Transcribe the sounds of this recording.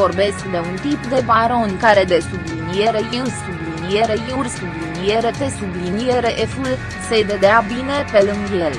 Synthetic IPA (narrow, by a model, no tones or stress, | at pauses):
o̞rbe̞skd̪e̞unt̪ipd̪e̞baɾo̞nkaɾe̞d̪e̞sublinijeɾejɨnsublinije̞ɾe̞jurʲsublinije̞ɾe̞p̪e̞sublinijeɾeʔeful | se̞ved̪eabine̞pelɨŋɡjel